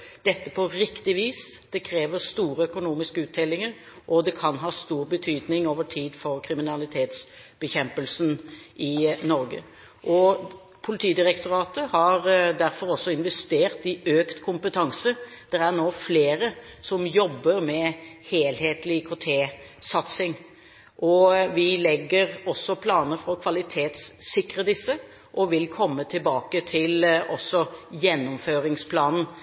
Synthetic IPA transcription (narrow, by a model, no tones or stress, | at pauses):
d̪̥ɛt̪ːəpʰɔɾɪkt̪ɪʋiːsd̪̥ɛkʰɾeːʋəɾst̪uːɾəœkʊnuːmɪskəʉːt̪̚d̪ɛlːɪŋəɾ | ʔɔd̪ɛkʰɑnɦɑːst̪uːɾbət̪ʰyːd̪nɪŋoːʋəʈʰiːd̪fɔɾkʰɾɪmɪnɑlɪt̪ʰeːt̪s | b̥əçɛmpəlsnʔɪnɔɾɡə̰ | ʔɔ | pʰʊlɪt̪ʰiːd̪ɪɾɛkt̪ʊɾɑːt̪əhɑɾd̪æɾfɔɾɔsːɔɪnʋɛst̪eːʁt̪ɪøːkt̪kʰʊmpət̪ʰɑŋsə | d̪̥ɛɾæɾnoːfleːɾəsɔmjɔbːəɾmɛheːlheːt̪lɪkʰɔt̪ʰeː | sɑt̪sɪŋ | ʔɔʋɪlɛɡːəɾɔsːɔpʰlɑːnəfɾɔkʰʋɑlɪt̪ʰeːt̪sːɪkɾəd̪ɪsːə | ʔɔʋɪlkʰɔmːət̪ʰɪlbɑːkət̪ʰɪlʔɔsːɔjɛnːʊmføːɾɪŋspʰlɑːnn̩